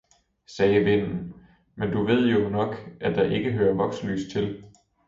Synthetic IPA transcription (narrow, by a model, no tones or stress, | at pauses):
sɛːʋe̝n̰n̩ | mend̥uʋe̝ð̞̰ˠjo̝nɒ̽ɡ̥ʔæd̥ɑ̈ʔe̝ɡ̥əɦøːɐʋɒ̽ɡ̥sly̰ːst͡sʰe̝l